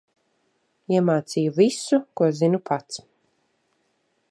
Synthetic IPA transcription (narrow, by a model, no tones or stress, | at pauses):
iɛmaːt̪sijuvisukuɔzinupʰat̪s